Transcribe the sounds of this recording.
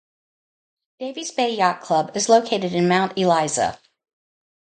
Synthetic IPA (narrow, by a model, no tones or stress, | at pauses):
d̥eɪvizbeɪjɑt̚kʰl̥ʌbɨzloʊkʰeɪɾɨɾɨ̃nmãʊ̃ntɨlaɪzə̰